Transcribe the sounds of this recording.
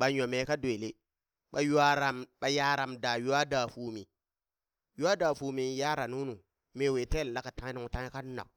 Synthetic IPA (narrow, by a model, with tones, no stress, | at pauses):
ɓa˨ɲo˨me˨˦ka˦dwe˨le˦ | ɓa˨ja˦ɾa˨mɓa˨ja˦ɾa˨mda˨ju˦a˦da˨fu˨mi˨ | ju˦a˦da˨fu˨mi˨˦ja˦ɾa˨nu˦nu˨ | me˨we˨te˦˨la˦ka˨ta˨˦ni˦ŋ˨ta˦ŋ˦e˦ka˦na̰˨